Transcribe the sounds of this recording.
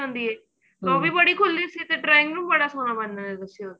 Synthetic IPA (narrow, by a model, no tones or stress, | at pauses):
ɦõnd̪iːɦɛː | t̪oːbʱibəɽikʰʊlːisit̪eʈɾaːɪ̃ŋɡɾuːmbəɽasoːnabɐnːaɦɛd̪əsioːɾ